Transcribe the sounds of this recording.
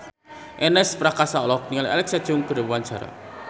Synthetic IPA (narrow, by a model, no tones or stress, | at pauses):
ʔɛnɛspɾakasaɔlɔk̚niŋalialɛksḁd͡ʒʊŋkəɾəwuant͡ʃaɾa̰